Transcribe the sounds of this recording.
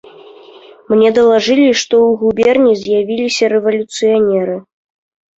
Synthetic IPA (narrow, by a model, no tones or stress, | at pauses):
mnʲɛd̪ɐlˠaʐɨlʲiʂt̪ɔwɣubʲɛrnʲizʲjavʲilʲisʲɐɾɛvɐlʲut̪sɨjanʲɛɾɨ